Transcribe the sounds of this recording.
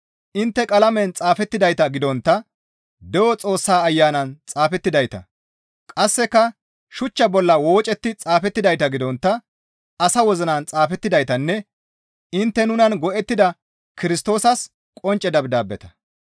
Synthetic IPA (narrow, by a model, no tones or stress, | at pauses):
ʔɪnt̪ːɛkʼɐlɐmɛnt͡sʼaːfɛt̪ːɪd̪ɐjt̪ɐɡɪd̪ɔnt̪ːɐ | d̪ɛwɔt͡sʼo̞ːsːaːɐjːaːnɐnt͡sʼaːfɛt̪ːɪd̪ɐjt̪ɐ̰ | kʼɐsːɛkːɐ | ʃʊt͡ʃːɐbɔlːɐwo̞ːt͡ʃʼɛt̪ːɪt͡sʼaːfɛt̪ːɪd̪ɐjt̪ɐɡɪd̪ɔnt̪ːɐ | ɐsɐwɔzɪnant͡sʼaːfɛt̪ːɪd̪ɐjt̪ɐnːɛ | ɪnt̪ːɛnʊnɐnɡɔʔɛt̪ːɪd̪ɐ | kɪɾɪst̪o̞ːsɐs | kʼɔnt͡ʃʼːɛd̪ɐbd̪aːbːɛt̪ɐ̥